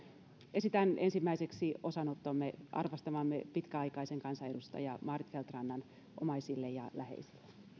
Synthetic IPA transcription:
esit̪ænʔensimːæiseksio̞sɑnot̪ːomːeʔɑ̰rʋɑst̪ɑmɑmːepit̪kæɑikɑiseŋkɑnsɑedust̪ɑ̰jɑmɑːrit̪felt̪rɑnːɑn | ʔomɑisilːejɑ̰læhḛisi̥lːe

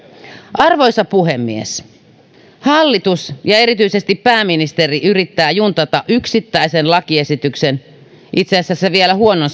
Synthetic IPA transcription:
ʔɑrʋoisɑpuhemːḭes | hɑlːit̪usjɑeɾit̪yisest̪ippæːminist̪eriʔyrit̪ːæːjunt̪ɑt̪ɑʔyksit̪ːæisenlɑkiesit̪yksen | it̪seːsːæsːeʋielæhuonons

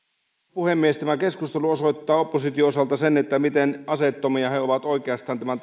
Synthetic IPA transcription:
puhe̞mːiest̪æmæke̞skust̪e̞luo̞so̞jt̪ːɑːopːosit̪ioosɑlt̪ɑsenet̪ːæmit̪enɑse̞t̪ːo̞miɑheo̞ʋɑt̪o̞jk̟eɑst̪ɑːnt̪æmænt̪

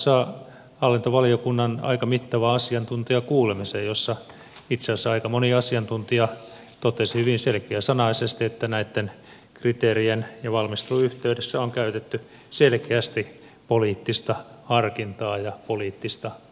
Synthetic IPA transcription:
sɑː | ɑlːint̪oʋɑliokunːɑnɑ̰ikɑmit̪ːɑʋɑɑsiɑnt̪unt̪iɑkuːlemisejjosːɑ | it̪sesːæɑikɑmoniɑsiɑnt̪unt̪iɑ | t̪ot̪esihyʋinselkiæsɑnɑisest̪iet̪ːænæit̪ːen | krit̪eːrienjɑʋɑlmist̪uyht̪eydesːæoŋkæyt̪et̪ːy | selkeæst̪i | poliːt̪ːist̪ɑhɑrkint̪ɑːjɑpoliːt̪ːist̪ɑ

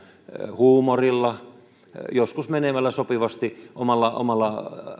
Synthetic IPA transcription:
huːmorilːɑ | joskusmenemælːæsopiʋɑst̪iʔomɑlːɑʔo̰mɑlːɑ

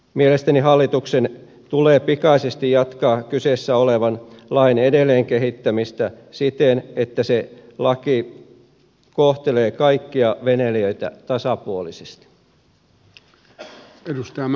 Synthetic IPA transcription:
mielest̪æniɦɑlːit̪uksen | t̪uleːpikɑisest̪ijɑt̪kɑːkyseˑsːæoleʋɑnlɑinedelːˑeːŋkeɦit̪ːæmist̪æ | sit̪enet̪ːæselɑki | koht̪eleːkɑikːiɑʋeneliøit̪æ̰t̪ɑsɑpuolisest̪i̥ | edust̪ɑɑ

